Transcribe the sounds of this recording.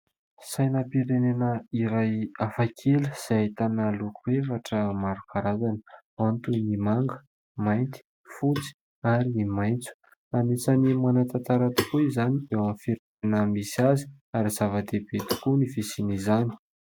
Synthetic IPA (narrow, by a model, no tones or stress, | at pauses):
sajnəpiɾenenəiɾajafakʰeləz̥ait̪anəlukʰuefaʈ͡ʂəmaɾukʰaɾazanə | ant̪unimaŋɡə̥ | majnt̪i̥ | fut͡si̥ | aɾiimajnt͡su̥ | anisanimanat̪at̪aɾat̪u̥kuizanid̪ewamfiɾeanəmisazi̥ | aɾiz̥avad̪ebet̪u̥kunifesinizani̥